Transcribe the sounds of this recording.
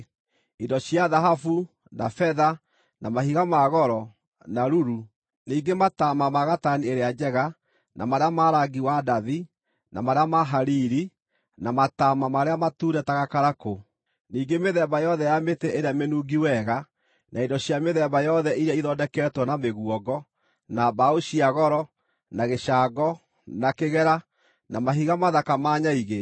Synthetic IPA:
idɔɕjaðaɦafu | na̰fɛða | nʔamahiɣamaɣɔɾɔ | naɾuɾu | niːɡematamamaɣatanieɾead͡ʒɛɣa | nʔa̰maɾeamaɾaɡiwadaði | na̰maɾeamaɦaɾiɾi | namatamamaɾeamatuːɾɛtaɣakaɾako | niːɡemeðɛbajɔðɛjameteʔeɾeamenuːɡiwɛɣa | nʔaidɔɕjameðɛbajɔðɛʔiɾaiðɔdɛkɛːtwɔnameɣwɔɡɔ | nabaoʃiaɣɔɾɔ | naɣeʃaɡɔ | nakeɣɛɾa | namaɦiɣamaðakamaːɲaiɣe

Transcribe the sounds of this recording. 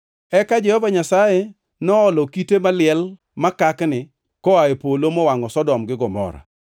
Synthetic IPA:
ɛkad͡ʒɛhɔvaɲasaje | nɔɔlɔkitemalɪɛl | makaknɪ | kɔaepolomɔwaŋɔsɔdɔmɡɪɡɔmɔ̰ɾa̰

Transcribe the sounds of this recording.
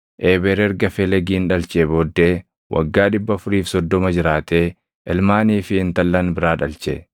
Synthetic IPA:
ʔeːbɛɾɛɾɡɐfelɛɡiːnᶑɐlt͡ʃeːboːd̪ːe̞ː | wʔɐ̰ɡːaːᶑɪbːɐfʊɾiːfsɔd̪ːɔmɐd͡ʒɪɾaːt̪eː | ʔɛlmaːniːfɪɪnt̪ɐlːɐnbɪɾaːᶑɐlt͡ʃɛ̰

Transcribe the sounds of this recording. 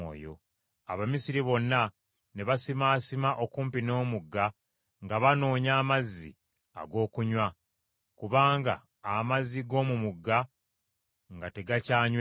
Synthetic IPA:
o̰ːjo̰ | a̰βamisiɾiβo̞nːa | neβasimaːsimaʔo̞kuːmpino̞ːmuɡːa | ŋɡaβano̞ːɲaːmazːḭ | a̰ɡo̞ːkuɲwa | kuβaːŋɡa̰ː | mazːiɡo̞ːmumuɡːa | ŋɡate̞ɡacaːɲw

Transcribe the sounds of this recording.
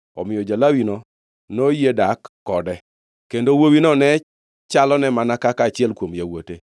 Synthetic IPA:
ɔ̰mɪjɔd͡ʒalawino | nojedakːɔdɛ | kendowowinɔnɛ | t͡ʃalɔnɛmanakakaːt͡ʃɪɛlkwomjawote

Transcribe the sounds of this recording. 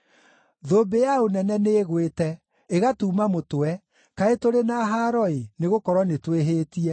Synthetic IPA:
ðobejaonɛnɛneɣwetɛ | eɣatuːmamotoɛ | kaetoɾenaɦaːɾɔeneɣokɔɾwɔnetweɦeːtiɛ

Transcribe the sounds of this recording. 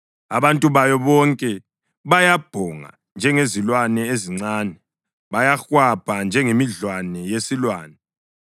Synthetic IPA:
a̰βantʼuβajɔβɔŋkʼɛ | βajab̥ʱɔŋa̰ | nd͡ʒʱɛŋezilwanɛeziŋ͡ǀaːnɛ | βajaxwapʰʼand͡ʒʱɛŋemiɮwanɛjesilwaːnɛ

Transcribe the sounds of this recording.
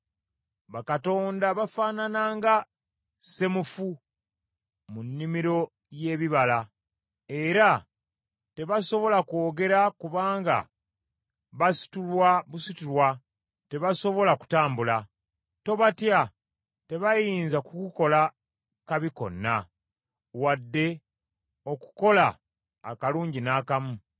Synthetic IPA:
βakato̞ːndaβafaːnanaːŋɡa | se̞mufu | munːimiɾo̞ | je̞ːβiβala | e̞ɾa | te̞βaso̞βo̞lako̞ːɡe̞ɾakuβaːŋɡa̰ | βasi̥tulwaβusitulwa | te̞βaso̞βo̞laku̥taːmbula | to̞βatja | te̞βajiːnzakukuko̞la | kaβiko̞̰nːa̰ | wadːe̞ | o̞ku̥ko̞la̰ː | kaluːɲɟinaːkamu

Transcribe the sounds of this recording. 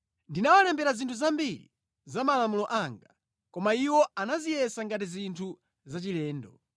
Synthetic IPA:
ndinawalɛmbɛɾazintʰuzambilḭ | zamalamulɔʔaŋɡa | kɔmaiwɔanazijɛsaŋɡat̬izintʰu | zat͡ʃilɛːndɔ̰

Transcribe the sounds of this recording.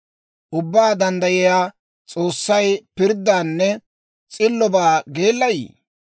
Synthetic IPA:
ʔʊbːaːd̪ɐnd̪ɐjɪjaː | t͡sʼo̞ːsːɐjpɪɾd̪aːnːɛ | t͡sʼɪlːɔbaːɡeːlːɐjḭː

